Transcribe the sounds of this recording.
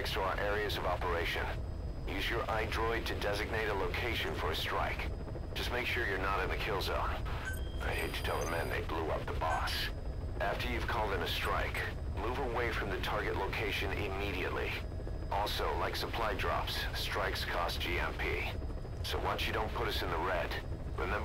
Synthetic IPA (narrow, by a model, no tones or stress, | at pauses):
kstʰəaə̰˞ʔɛɹiɨzʌvɑpə˞eɪʃɨ̰̃n | jʉzjə˞ʔaɪdɹɔɪd̚tʰɨdɛzɨɡ̚neɪɾəloʊkʰeɪʃɨ̃nfə˞ɨstɹ̥aɪk | d̥ʒ̥ʌst̚meɪkʃʊɹjə˞nəɾɨ̃nðɨkʰɪlˠzõ̰ʊn | a̰ɪheɪtʰɨ̥tʰɛlˠðəmɛ̃nðḛɪbluʌ̰p̚ðəbɑs | ʔæftə˞jʉv̥kʰɔlˠd̪̚ðɨ̃mɨstɹ̥aɪk | muvəweɪfɹʌ̃mðɨtʰɑɹɡɨʔˡloʊkʰeɪʃɨ̃nɪ̰miɾiɨ̰tˡlḭ | ʔɔlˠsoʊlaɪksəpʰl̥aɪdɹɑ̰pstɹ̥aɪkskʰɔsd̥ʒ̥iɛ̰̃mpʰḭ | soʊwɑt͡ʃjɨɾõʊ̃npʰʊɾʌsɨ̃nðəɹɛd̥ | ɹʔɨ̰mɛ̃m